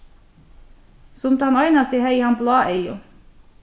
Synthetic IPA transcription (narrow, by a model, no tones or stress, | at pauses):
sʊmt̪əhɑnɑʏnɑst̪ihœʏhɑnblɑːʔeɪʊ̰